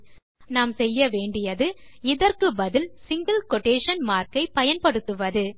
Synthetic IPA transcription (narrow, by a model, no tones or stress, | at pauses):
naːmsɛjːɐʋeːɳɖɪjɐðɯ | ɪðɐɾkɯbɐðɪlsɪŋɡɐlkɔʈːeːʂɐnmaːɾkɐɪpɐjɐnpɐɽɯt̪ːɯʋɐðɯ